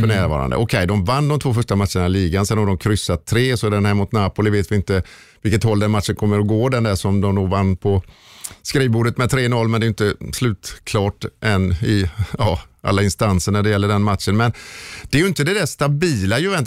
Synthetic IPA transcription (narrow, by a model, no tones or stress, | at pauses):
fœɳæːɾvɑ̰ːɾa̰nd̪ə̰ʔɔkʰɛjd̪ɔmvanːd̪ɔmt̪ʰvoːfœʂʈamat̪ːʂəɳaliːɡansɛnhaɖɔmkʰɾʏsːat̪ʰːɾeːsɔd̪ɛnhɛmʊt̪nɑːpʊːlɪveːt̪vɪɪnt̪ə | vɪlkət̪hɔlːd̪ɛnmat̪ːʂənkʰɔmːəɾɔɡoːd̪ɛnd̪æːʂɔmd̪ɔmnuːvanːpʰɔskɾiːvbuːɖət̪mɛd̪t̪ʰɾeːnɔlːmɛnd̪ɛjɪnt̪əslʉ̟ːt̪kʰlɑːʈʔɛnɪɑːʔa̰lːaɪnst̪ansəɳæɖɛjɛlːəɖɛnmat̪ʂənmɛnd̪̥ɛːɾjɵɪnt̪əd̪ɛd̪æʂt̪abiːlajɵvɛnt̪